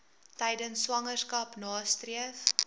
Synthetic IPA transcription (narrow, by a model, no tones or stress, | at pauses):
tɛjdənsːwɐŋərskɐpnɑːstriəf